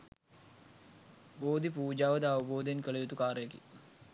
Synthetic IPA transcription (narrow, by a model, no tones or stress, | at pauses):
boːd̪ipuːd͡ʒaːʋəd̪əɐʋəboːd̪enkəɭejut̪ukaːɾəjəkḭ